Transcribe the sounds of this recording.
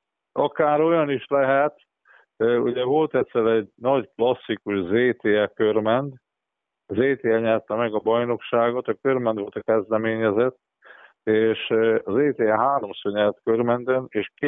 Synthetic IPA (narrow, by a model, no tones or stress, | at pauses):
ɒkaːɾo̞jɒniʃlɛɦɛt̪ | øṵɟɛvo̞lt̪ɛt̪sɛɾɛɟnɒɟklɒsːikuʃzeːt̪eːɛkørmɛnd̪ | zeːt̪eːɛɲɛrt̪ɛmɛɡɒbɒjno̞kʃaːɡo̞t̪ɒkørmɛnd̪ʋo̞lt̪ɒkɛzd̪ɛmeːɲɛzɛt̪ː | eːʃɒzeːt̪eːɛɦaːɾo̞msoːrɲɛrt̪kørmɛnd̪øneːʃk